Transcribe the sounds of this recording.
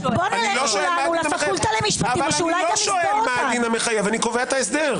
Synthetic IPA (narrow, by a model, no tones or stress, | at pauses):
bonaniloʃoelmainmajult̪alemiʃpaavaulajloʃoelmad̪inameχajevanikoveaet̪aesd̪eʁ